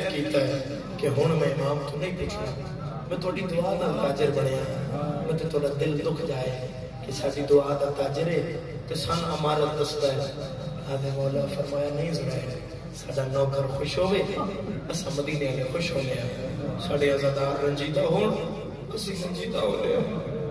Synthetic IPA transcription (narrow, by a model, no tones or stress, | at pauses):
kiːt̪aːɦɛ | keɦʊɽ̃mɛ̃ːmaːmt̪ũːnə̃ĩːkɪkʰːãː | mɛ̃ːt̪ʰoaːɖiːd̪ʊaːd̪aːt̪aːd͡ʒəɾbəɽ̃eːãːmɛ̃ːt̪ʰẽːt̪ʰʊoaːɖaːd̪ɪld̪ʊkʰd͡ʒaːe | kesaːɖiːd̪ʊaːd̪aːt̪aːd͡ʒəɾɛː | t̪esaːnũəmaːɾət̪d̪əsd̪aːɦɛ | aːd̪eːmoːlaːfʰəɾmaːjaːnəĩːzənaːe | saːɖaːnɔːkəɾkʰʊʃɦoːʋeːəsãːməd̪iːneaːlexʰʊʃɦoːneːãːsaːɖeːãːzaːd̪aɾənd͡ʒiːd̪aːɦoː | kʊsĩːɾənd͡ʒiːd̪aːɦoːleːo